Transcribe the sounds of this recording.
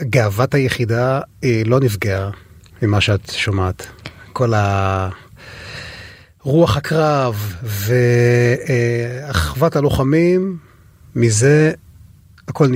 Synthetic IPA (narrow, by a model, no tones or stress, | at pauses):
ɡaavathajeχidailo̞nivɡea | mimaʃeatʃomaːtko̞la | ʁuaχhakʁavːe | aχvathalo̞χamimː | ize | hako̞ln